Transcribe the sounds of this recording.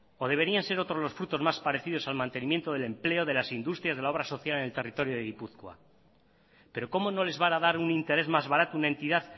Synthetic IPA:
o̞ðe̞β̞e̞ɾianse̞ɾo̞t̪ɾozlo̞sfɾut̪o̞zmaspaɾe̞θið̞o̞salmãnt̪e̞nimje̞nt̪o̞ð̞ele̞mple̞o̞ðe̞lasind̪ust̪ɾjazðelao̞β̞ɾaso̞θjale̞ne̞lt̪e̞rit̪o̞ɾjoðeɣipuθkwa̰ | pe̞ɾo̞ko̞mo̞no̞le̞zβaɾaðaɾunint̪e̞ɾe̞zmazβaɾat̪ounaent̪iðað

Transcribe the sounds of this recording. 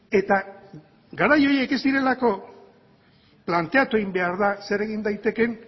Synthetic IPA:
e̞t̪a | ɡaɾajo̞je̞ke̞zd̪iɾe̞lako̞ | plant̪e̞at̪ue̞ɣimbe̞aɾðase̞ɾe̞ɣind̪ajt̪e̞ke̞n

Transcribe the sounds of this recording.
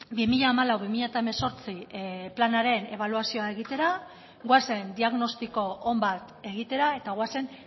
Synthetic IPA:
bimiʎaːmalawβimiʎat̪aemeso̞ɾt͡siplanaɾe̞ne̞β̞aluasio̞ae̞ɣit̪e̞ɾa | ɣwase̞nd̪iaɣno̞st̪iko̞ːmbat̪ | e̞ɣ̞it̪e̞ɾae̞t̪aɣwase̞n

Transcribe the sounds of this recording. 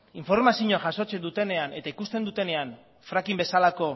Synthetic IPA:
iɱfo̞ɾmasiɲoaʝaso̞t͡se̞nd̪ut̪e̞ne̞ane̞t̪aikust̪e̞nd̪ut̪e̞ne̞an | fɾakimbe̞salako̞

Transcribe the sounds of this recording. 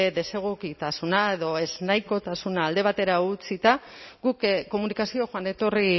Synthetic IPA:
eðe̞se̞ɣ̞ukit̪asunae̞ðo̞e̞znajko̞t̪asunaːld̪e̞β̞at̪e̞ɾaut͡sit̪aɡukko̞munikasio̞ʝoane̞t̪o̞ri

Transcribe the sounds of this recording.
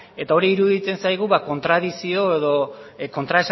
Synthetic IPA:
e̞t̪ao̞ɾiːɾuðit͡s̪e̞nsajɣ̞uβako̞nt̪ɾað̞isio̞e̞ðo̞ko̞nt̪ɾaes

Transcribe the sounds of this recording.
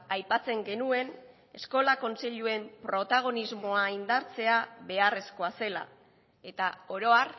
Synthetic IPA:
ajpat͡se̞ŋɡe̞nue̞n | e̞sko̞lako̞nsiʎue̞mpɾo̞t̪aɣ̞o̞nizmo̞aind̪aɾt͡se̞aβe̞are̞sko̞ase̞la̰ | e̞t̪ao̞ɾo̞ar

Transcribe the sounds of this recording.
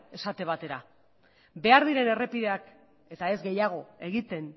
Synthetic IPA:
e̞sat̪e̞β̞at̪e̞ɾa | be̞aɾðiɾe̞ne̞re̞pið̞e̞ak | e̞t̪ae̞zɡe̞jaɣ̞o̞e̞ɣit̪e̞n

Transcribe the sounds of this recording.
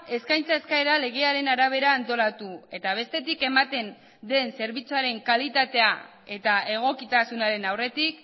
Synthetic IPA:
e̞skajnt͡saeskaeɾale̞ɣ̞e̞aɾe̞naɾaβ̞e̞ɾaːnt̪o̞lat̪ue̞t̪aβ̞e̞st̪e̞t̪ike̞mat̪e̞n | d̪e̞nse̞ɾβit͡suaɾe̞ŋkalit̪at̪e̞a | e̞t̪ae̞ɣ̞o̞kit̪asunaɾe̞nawre̞t̪ik̚

